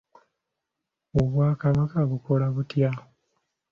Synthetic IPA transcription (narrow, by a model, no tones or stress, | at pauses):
oβwaːkaβakaβuko̞laβutja